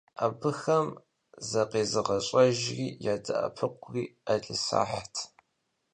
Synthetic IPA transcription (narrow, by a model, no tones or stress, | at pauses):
ʔaːbɨxɐm | zɐqeːzɨʁɐɕʼɐʒriːjaːdɐ̰ʔɐ̰pʰɨqʷriːaɮʼɨsa̰ːħatʰ